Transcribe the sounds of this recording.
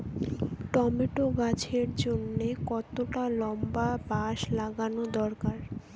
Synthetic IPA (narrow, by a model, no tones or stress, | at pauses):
ʈɔmiʈoɡat͡ɕʰeɾd͡ʑonːekɔt̪oʈalɔmbabaʃlaɡanod̪ɔɾkaɾ